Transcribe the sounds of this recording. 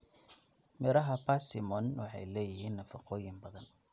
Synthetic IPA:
mɪɾɐɦɐpasɪmɔnwɑħɑ̰jlɛːjɪɦiːnːɐfɐqɔːjɪnbɐðɐn

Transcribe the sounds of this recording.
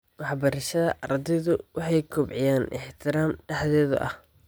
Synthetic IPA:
wɑħbɐɾɐʃɐðɐʔɐɾd̪ɛðʊwʔɑħɑjkʰʊbʕɪjaːnʔɪ̰ħt̪ʰɪɾaːmɖɛħðɛːðʊ̰ʔɐh

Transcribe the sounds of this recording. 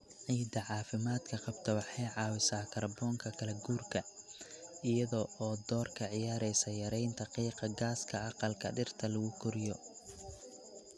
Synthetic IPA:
ʕiːd̪ɐʕɑːfɪmaːd̪kʰɐqɑbt̪ʰɐwɑħɑjʕɑːwɪsaːkʰɐrbɔːŋkʰɐkʰɐlɐɡuːrkʰɐ | ɪjɐðɔɔːd̪ɔːrkʰɐʕɪjaːɾɛjsɐjɐɾɛjnt̪ʰɐqiːqɑɡaːskʰɐɑqɑlkʰɐ̰ɖɪrt̪ʰɐlɐɣʊkʰʊɾɪjɔ

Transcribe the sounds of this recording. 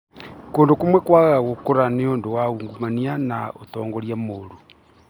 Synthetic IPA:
koːndokomwɛkwaːɣaɣaɣokoɾaneondowauːŋɡumanianao̰tɔːŋɡoɾjamoɾo

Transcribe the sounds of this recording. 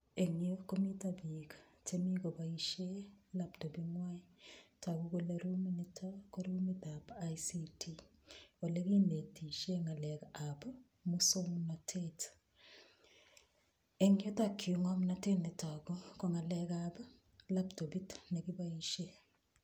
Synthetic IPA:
eŋekomitabikḁtemikobaiʃelaptobiŋwaitakukoleɾuminitʰakoɾumit̪apajsitʰiwolekindetiʃeŋalɛkaapa | musomnatʰet | eŋetakʰːiuŋamnatenetakukoŋalɛkaba | laptobitnekibaiʃe

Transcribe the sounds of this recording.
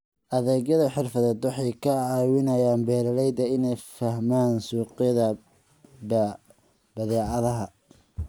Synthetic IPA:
ʔɐðɛːɡjɐðɐħɪrfɐðɛːd̪wɑħɑjkʰɐʕɑːwɪnɐjaːnbɛːɾɐlɛjd̪ɐɪnɛjfɐhmaːnsuːqɪjɐðɐ | b | bɐðɛːʕɑðɐɦɐ

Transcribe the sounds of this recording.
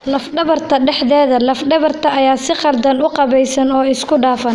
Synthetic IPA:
lɐfɖɐβɐrt̪ʰɐɖɛħðɛːðɐlɐfɖɐβɐrt̪ʰɐʔɐjaːsɪqɑrd̪ɐnʊqɑβɛjsɐnɔːɪskʰʊɖaːfɐn

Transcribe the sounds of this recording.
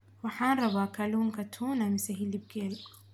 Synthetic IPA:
waħanɾˤɑβakaluːnkat̪ʰunamisaɦilib̚ɡel

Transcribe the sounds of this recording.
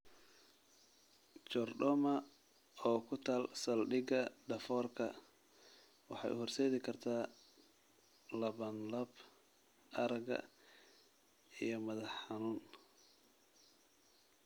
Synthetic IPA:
t͡ʃɔrɖɔːmɐ | ɔːkʰʊt̪ʰaːlsɐlɖɪɡɐɖɐfɔːrkʰɐ | wɑ̰ħɑ̰jʔʊ̰hɔrsɛːðɪkʰɐrt̪ʰaː | lɐβɐnlɐb | ʔɐɾɐɡɐ̰ | ḭjɞmɐðɐħɑnuːn

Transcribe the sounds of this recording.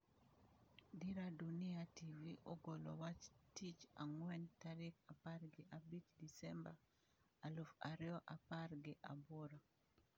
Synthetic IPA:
diɾadunɪativiʔoɡolɔ̰wat͡ʃtit͡ʃaŋwɛntaɾɪkaparɡɪʔabit͡ʃdisɛmba | alofaɾɪɔʔaparɡɪʔaboɾa

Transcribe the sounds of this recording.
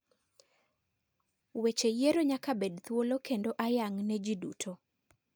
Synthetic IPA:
wet͡ʃejeɾoɲakabedt̪wolokendoʔajaŋnɛd͡ʒidṵtʰo

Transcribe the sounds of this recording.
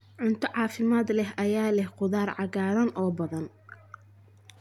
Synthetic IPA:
ʕʊnt̪ʰɔʕɑːfɪmaːd̪lɛɦʔɐjaːlɛhqʊðaːrʕɑɣaːɾɐnʔɔːbɐðɐn

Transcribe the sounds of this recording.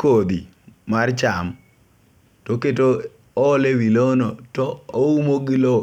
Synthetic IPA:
kod̪i | mart͡ʃam | toketoː | lewilonɔtɔoumoɡilo

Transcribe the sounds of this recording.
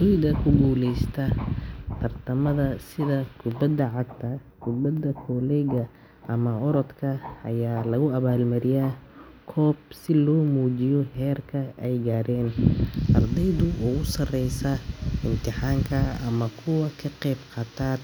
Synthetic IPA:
dʊjd̪ɐkʰʊɡuːlɛjst̪ʰɐt̪ʰɐrt̪ʰɐmɐðɐsɪðɐkʰʊbɐd̪ɐʕɑɡ̚t̪ʰɐkʊbɐd̪ɐkʰɔːlɛɣɐ | ʔɐmɐɔɾɔt̪kʰɐɐ̰jaːlɐɣʊɐβaːlmɐɾɪjaː | kʰɔːbsɪlɔːmuːt͡ʃɪjɔɦɛːrkʰɐʔɛjɡaːɾɛːnʔɐrd̪ɛjðʊwʊːʊsɐrɛjsɐɪmt̪ʰɪħaːŋkʰɐɐ̰mɐkʰʊwɐkʰɐqɛːbqɑːt̪ʰaːd̪

